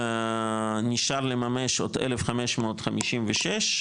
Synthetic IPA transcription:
niʃaʁlemameʃot̪elefχameʃmoːt̪χamiʃimveʃeʃ

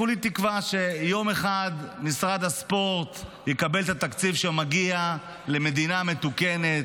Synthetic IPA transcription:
olit̪ikvaʃe̞jo̞me̞χad̪nisʁad̪haspo̞ʁt̪jekabe̞lt̪at̪akt͡sivʃemaɡia | leme̞d̪iname̞t̪uke̞ne̞t̪

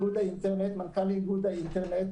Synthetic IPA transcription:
ɡud̪əinʈəɾnet̪mənkʰaliɡud̪əinʈəɾnet̪

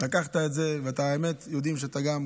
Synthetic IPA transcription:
lakaχt̪aetzeveataemet̪jod̪imʃeat̪aɡam

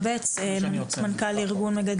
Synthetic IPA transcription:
bet͡semamankaliʁɡunmeɡad̪

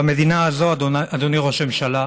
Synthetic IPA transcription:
ame̞d̪inaːzo̞ad̪oniʁoʃemʃala

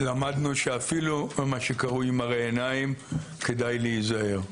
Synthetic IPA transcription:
lamad̪nuʃe̞afilummaʃe̞kaʁuimaʁeːnaimkedajlejizahe̞ʁ

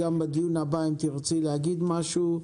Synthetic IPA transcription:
ambed̪ijunabaimt̪iʁt͡silehaɡid̪maʃu

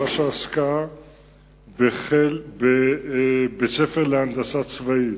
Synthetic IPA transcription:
aʃaːska | beχelbe | bet͡sefeʁleand̪asat͡svait

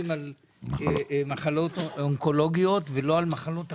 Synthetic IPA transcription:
imal | maχalo̞t̪oŋko̞lo̞ɡijo̞t̪velo̞almaχalo̞t̪a

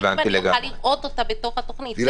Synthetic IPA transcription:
vanileɡaaliʁʔot̪ot̪abet̪o̞χat̪oχnit̪i

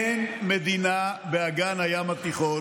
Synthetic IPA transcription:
enmed̪inabeaɡanhajamat̪iχo

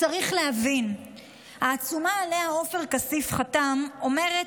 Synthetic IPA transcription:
t͡saʁiχlehavin | haːt͡sumaːleao̞feʁkasifχatamo̞me̞ʁe

